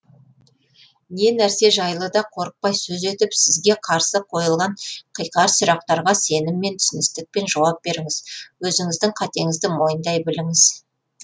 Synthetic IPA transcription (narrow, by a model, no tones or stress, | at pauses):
ne̞næɾse̞ʒɑjlˠəd̪ɑqʰo̞ɾəq̚pɑjsɵze̞t̪ɪpsɪzɡʲe̞qʰɑɾsəqʰo̞jəlˠʁɑɴqʰəjqɑɾsəɾɑq̚t̪ɑɾʁɑse̞nɪmːe̞nt̪ʰʏ̥sɪnɪst̪ɪk̚pe̞nʒɑwɑp̚b̥e̞ɾɪŋɪzwɵzɪŋɪzd̪ɪŋqʰɑt̪e̞ŋɪzd̪ɪmo̞jənd̪ɑjbɪlɪŋɪz̥